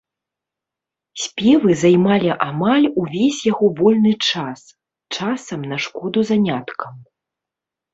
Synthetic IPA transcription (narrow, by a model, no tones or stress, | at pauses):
sʲpʲɛvɨzajmalʲiʔamalʲuvʲesʲjaɣɔvɔlʲnɨt͡ʂas | t͡ʂasɐmnɐʂkɔd̪uzanʲat̪kʰɐm